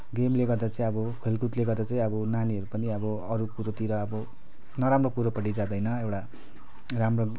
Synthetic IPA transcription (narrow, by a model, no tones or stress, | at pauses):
ɡemleɡʌrd̪at͡saĩʌbʌkʰelkut̪leɡʌrd̪at͡saĩʌbʌnaniɦʌɾupʌniʌbʌ | ʌɾukuɾot̪iɾʌːbʌ | nʌɾamropuɾopʌɽid͡zad̪ʌjnʌewʈa | ramro